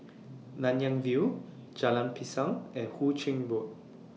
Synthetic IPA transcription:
nãnjãŋvi | d͡ʒalãnpʰisãŋɛ̃hut͡ʃĩŋbuk̚

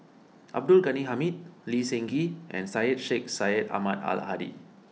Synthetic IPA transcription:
ʔa̰b̚dulɡaniɦamit̚lisɛ̃ŋɡiʔɛ̰̃nsajət̚ʃek̚sajəta̰mata̰l̰ɦadḭ

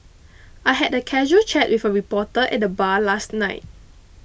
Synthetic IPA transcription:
ʔajɦɛdəkʰɛʒuəlt͡ʃɛʔ̚wifəɹipɔtəʔɛ̰t̚dəbalastnaɪt̚

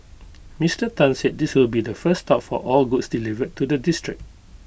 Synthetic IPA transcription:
mistətãnsɛd̚diswilbidəfəstɔpfɔ̰ʔɔlɡutsdilivəd̚tʰːudədistɹɪ̰k̚

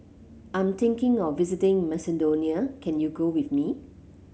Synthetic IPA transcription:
ʔãj̃mt̪ɪ̃ŋkɪ̃ŋɔfːizɪtɪ̃ŋmɛsɛdoniəkɛ̃njuɡowiθmi

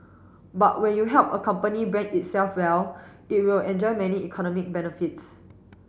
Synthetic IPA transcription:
batwɛ̃njuɦɛlpəkʰãmpənibɹɛ̃ŋit̚sɛlfwɛl | it̚wilɛ̃nd͡ʒɔɪmɛniikʰɔnɔmik̚bɛnəfits

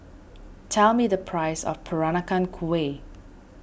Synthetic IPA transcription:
tʰɛlˠmidəpʰɹ̥aɪsɔ̰fpʰəɹanakãnkʰue

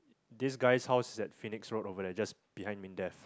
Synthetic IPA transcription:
disɡaɪshaʊsɪsɛtfiniksɹotovədɛd͡ʒasb̥ihãj̃nmĩndɛf

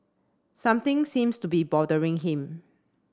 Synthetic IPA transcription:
sãmt̪ɪ̃ŋsĩmstubibɔdəɹɪ̃ŋɦɪ̃m

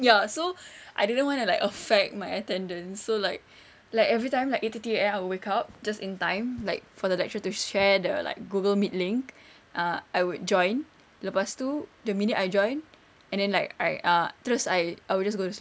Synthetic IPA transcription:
jasoʔa̰jdidə̃nwɔ̃ntulaɪkəfɛk̚t̚maɪətɛ̃ndə̃nsːolaɪk̚ | laɪkɛvɹitãɪ̃mlaɪketətieɛ̃maɪwuwekap̚d͡ʒasĩntãɪ̃mlaɪk̚fɔdəlɛk̚t͡ʃətuʃɛdəla̰ɪk̚ɡuɡəlmit̚lĩŋk | ʔãajwud̚d͡ʒɔ̃ɪ̃n | lopastudəminitajd͡ʒɔ̃ɪ̃n | ɛ̃ndɛ̃nlaɪka̰ɪʔãt̪ɹəsajajwild͡ʒasɡodəs

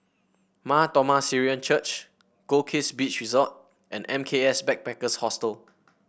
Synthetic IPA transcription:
matɔmasiɹiə̃nt͡ʃət͡ʃ | ɡ̥okʰesbit͡ʃɹizɔt̚ | ʔɛ̰̃nʔɛ̃mkʰeɛsbɛk̚bɛkəshɔstəl

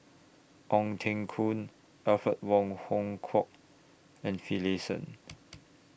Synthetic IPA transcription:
ʔɔ̃ŋtʰɛ̃ŋkʰũn | ɛfət̚wɔ̃ŋhɔ̃ŋkʰɔk̚ | ɛ̃nfilesə̰̃n

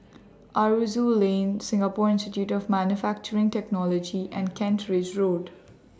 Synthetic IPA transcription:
ʔaɹuzulẽnsɪ̃ŋɡapɔɾɪ̃nstɪʈjuːʈɔvmænjufæk̚t͡ʃəɾɪ̃ŋʈɛknɔlɔd͡ʒiʔɛ̃nɖkʰɛ̃ntɾɪd͡ʒɹoːɖ

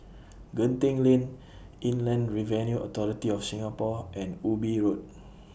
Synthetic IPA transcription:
ɡə̃ntẽŋlẽn | ĩnlɛ̃nɹivɛ̃njuʔɔt̪ɔɹitiɔfsĩŋapɔʔɛ̃nubiɹot̚

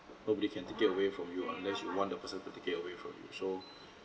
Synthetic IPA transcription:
nobɔɾikʰɛ̃ntekɪtəwefɹɔ̃mjuɔ̰̃nlɛsjuwɔ̃ndəpəsə̃ntutekɪtəwefɹɔ̰̃mjṵso

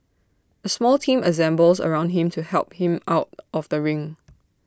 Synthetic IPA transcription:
əsmɔltʰĩmʔəzɛ̃mbəlsə̰ɹãʊ̃ndɦɪ̃mtʰuhɛlp̚hɪ̃maʊt̚ʔɔvdəɹɪ̃ŋ

